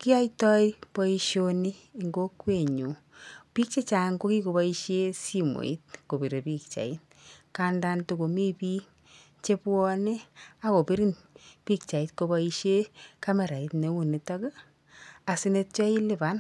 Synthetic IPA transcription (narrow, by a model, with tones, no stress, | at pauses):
ki˦a˦jtɔ˦ipɔ˧i˧ʃo˦ni˦ŋɡo˦kwe˦˨ɲu˨ | pi˦k̚t͡ʃe˦t͡ʃa˨ŋɡo˦ki˦ko˨bɔ˦i˦ʃe˦si˦mo̰˨ḭ˦t̚ko˨bi˨ɾe˨pi˦kt͡ʃa̰˨i˦t | ka˦nda˦ntu˧ko˨mi˦pi˦ | t͡ʃe˦pwɔ˦ne˦a˦ko˨pi˦ɾi˦n | pi˦kt͡ʃa˨i˦tko˧ba˧i˧ʃe˦ka˦mɛ˨ɾa˨i˨˦tne˨wu˨ni˨tɔ˦ɡe˦ | a˨si˦ne˧t̚t͡ʃɔ˦i˦li˦ba˦n